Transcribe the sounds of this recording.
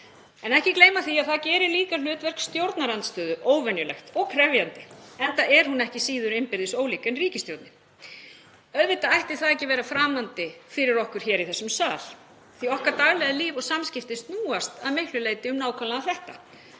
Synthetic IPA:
ɛnɛhcɪkleːjmaθiaðθaðcɛːɾɪɾliːkalʏːt̪vɛr̥kst̪jowɾt̪naɾant̪st̪œːðʏʔoːwvɛnjʏlɛ̰xt̪ɔɣkʰɾɛvjant̪ɪɛnt̪aɛɾ̥hunɛhcɪsiːðʏɾɪmpɪɾðɪsoːwliːkɛnriːcɪst̪jowɾt̪nɪ | œðvɪt̪aajht̪ɪ̥θaðɛcɪvɛːɾafɾaːmant̪ɪfɪɾɪɾɔhkʏɾ̥çɛːɾiθɛsːʏmsaːl̥ | θiɔhkaɾt̪aɣlɛɣðɪliːvɔɣsamscɪft̪ɪst̪nuːast̪aðmɪhklʏleːjt̪ɪʏmnaːwkʰvalaaθɛht̪a̰

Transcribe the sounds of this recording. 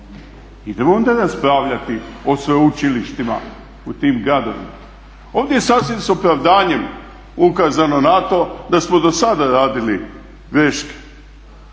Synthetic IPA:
id̪emoond̪aɾaspɾaʋʎat̪iosʋeut͡ʃiliʃt̪ima̰ | ut̪iːmɡɾad̪o̞̰ʋḭma̰ | o̞ːʋd̪ʲjejesaːsʋimso̞pɾaʋd̪aːɲe̞m | ukaːzano̞nat̪o̞d̪asmo̞d̪o̞sad̪aɾaːd̪ili | ɡɾe̞ʃke̥

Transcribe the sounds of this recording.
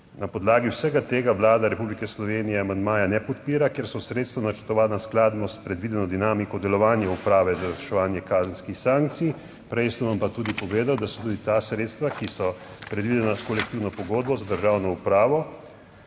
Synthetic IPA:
napɔd̪laːɡiwsɛɡat̪eːɡaʋlaːd̪aɾɛpublikɛslɔʋeːnijɛamand̪maːjanɛpɔt̪̚piːɾakeɾsɔsɾeːt̪st̪ʋanat͡ʃəɾt̪ɔʋaːnasklaːd̪nɔspɾɛd̪ʋid̪ɛnɔd̪inaːmikɔd̪ɛlɔʋaːnjɛupɾaːʋɛzaɾazɾiʃɛʋaːnjɛkaːzənskixsãŋkt̪si | pɾɛjsənʋampat̪uːd̪ipɔʋeːd̪awd̪asɔ̥t̪uːd̪it̪asɾeːt̪st̪ʋakisɔ | pɾɛd̪ʋid̪ɛnaskɔlɛk̚t̪iwnɔpɔɡoːd̪̚bɔzad̪əɾʒaːwnɔupɾaːʋɔ

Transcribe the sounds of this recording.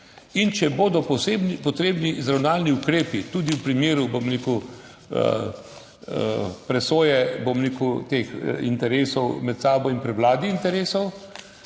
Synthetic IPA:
int͡ʃɛboːd̪ɔpɔsebpɔt̪ɾeːbnizɾawnaːlniukɾeːpit̪uːd̪iuwpɾimjeːɾubomɾeːku | ə̰ | pɾɛsoːjɛbomɾeːkut̪eːxint̪ɛɾeːsɔwmɛt̪saːbɔinpɾɛwlaːd̪iːnt̪ɛɾeːsɔw

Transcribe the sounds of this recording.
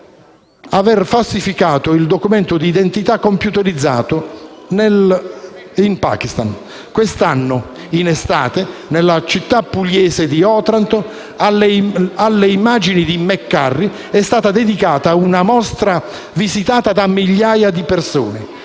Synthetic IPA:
avɛrfalsifikaːt̪oild̪okumɛnt̪ʊd̪iːd̪ent̪it̪akːompjut̪eɾid̪zːa̰ːt̪onel | impa̰ːk̟ist̪an | kwest̪anːo | inest̪aːt̪enelːat͡ʃit̪ːapːulːɛːsed̪iɔːt̪ɾant̪o | alːealːeimaːd͡ʒinid̪imɛkːarːi | ɛst̪aːt̪ad̪ed̪ikaːt̪aunamɔst̪ɾa | vizit̪aːt̪ad̪amːiʎːaːjad̪ipersoːne

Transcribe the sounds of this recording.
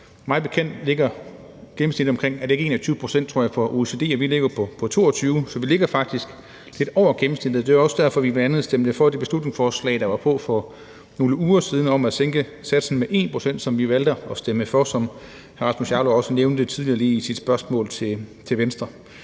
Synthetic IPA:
mɑ̈ːbe̝kʰen̰d̥le̝ɡ̥ɐ | ɡ̥em̩sni̝d̥̩ˠɒ̽mkʰʁeŋ̰æɐde̝e̝ɡ̥e̝ːnæt͡sʰyːʊə̥pʰʁo̝sen̰d̥̚t͡sʰʁo̝ɐ̰jɑfɒ̽ʔo̝ese̝ːd̥e̝̰ːɒʋile̝ɡ̥ɐpʰɒ̽pʰɒ̽t͡sʰo̝̰ːɒt͡sʰyːʊsɒ̽ʋile̝ɡ̥ɐfɑ̈ɡ̥̚d̥isɡ̥ | le̝d̥ɒʊ̰ɐɡ̥em̩sned̥ð̩ˠd̥e̝æɒ̽sd̥æɐfɒ̽ʋiʋæænð̩ˠsd̥emd̥əfɒd̥e̝b̥e̝slud̥ne̝ŋsfɒːslɛ̰ɪd̥ɑ̈ʋɑ̈pʰɔ̽fɒ̽ | no̝ːləuːɐsiːð̞ˠn̩ɒ̽mæseŋɡ̥ə | sæd̥sn̩meʔe̝ːnpʰʁo̝̥sen̰d̥sɒ̽mʋiʋæld̥əɒsd̥eməfɒsɒ̽m | hæʁɑ̈smusjɑloɒ̽səneʊnd̥ət͡sʰiðˠliɐliːisid̥sb̥ɶɐsmɔ̰ːlt͡sʰe̝t͡sʰe̝ʋensd̥ʁɐ

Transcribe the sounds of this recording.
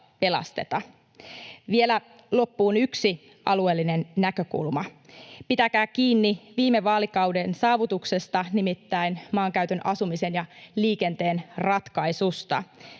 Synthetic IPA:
pe̞lɑ̰st̪e̞t̪ɑ | ʋielæ | lo̞pːuːnyksi | ʔɑ̰lue̞ːlːine̞nːækø̞kṵlmɑpit̪ækæːk̟iːnːiʋiːme̞ʋɑːlikɑwdensɑːʋut̪ukse̞st̪ɑnimit̪ːæinmɑːŋkæyt̪ønʔɑsumise̞njɑliːke̞nt̪e̞ːnrɑt̪kɑjsust̪ɑ̰

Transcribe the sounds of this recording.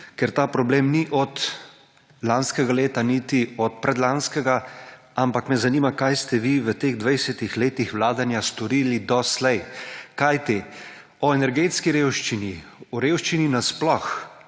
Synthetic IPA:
kɛɾt̪aːpɾɔbleːmniʔɔt̪ | lanskɛɡaleːt̪anit̪iɔt̪̚pɾɛd̪lanskɛɡa | ampakmɛzaniːmakajst̪ɛʋiʋət̪eːɣd̪ʋɛjsɛt̪ixleːt̪ixʋwlaːd̪anjast̪ɔɾiːlid̪ɔslɛjkajt̪eː | ɔɛnɛɾɡeːt̪skiɾeːwʃt͡ʃiniɔɾeːwʃt͡ʃininasplɔx

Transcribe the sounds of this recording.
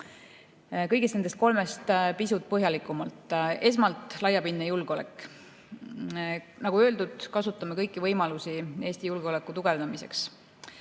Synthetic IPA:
kɤjɡ̥esnend̪et̪ko̞lme̞st̪pisut̪̚pɤɦjɑlikːˑumɑlt̪ːˑe̞s̬mɑlt̪ˑlɑjːɑpinːejulɡ̥eo̞le̞̰kːˑ | nɑɡ̥uø̞ld̪ud̪̥kɑsut̪ˑːɑmekɤjkːˑivɤjmɑlusie̞ːsʲt̪ijulɡ̥eo̞le̞kːˑut̪uɡe̞vd̪ɑmise̞̰ks

